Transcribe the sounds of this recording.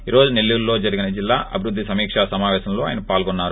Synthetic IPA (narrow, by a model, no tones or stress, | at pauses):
iːɾo̞ːd͡ʒunelːuːllo̞ːd͡ʒɐɾiɡinɐd͡ʒilːaːʔɐ̰bʱiɾud̪ʱːisɐmiːkʂaːsɐmaːʋɛːʃɐmlo̞ːa̰ːjɐnɐpaːlɡonːaːɾu